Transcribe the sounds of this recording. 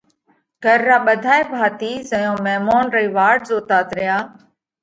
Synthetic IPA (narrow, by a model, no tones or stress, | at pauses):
ɡʱəɾːaːɓəd̪ʱaːeːbʱaːt̪iːzəjõːmɛːmoːnɾəiːʋaːɾɖzoːt̪aːt̪ɾɪjaː